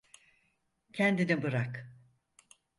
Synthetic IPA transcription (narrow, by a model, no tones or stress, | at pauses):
cʰɛnd̪inibɯɾak